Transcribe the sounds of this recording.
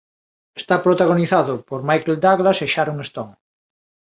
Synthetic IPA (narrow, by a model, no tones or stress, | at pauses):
est̪apɾot̪aɣ̞oniθaðʊpoɾmajkeld̪aɣlaseʃaɾuŋest̪oŋ